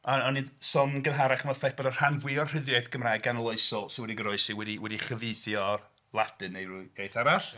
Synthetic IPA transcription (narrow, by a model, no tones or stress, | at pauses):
aɔnːidsɔmɡənɦaɾaχmafɛb̥ɔdər̥hanvwiɔrr̥ɪðjaɨθɡ̥əmrajɡanlˠoɨsɔsɪwɛdiɡəɾɔɨsiwɛdiwɛdiχəveɨθjɔ | lˠad̥ɨnejrʊjejθaɾaɬ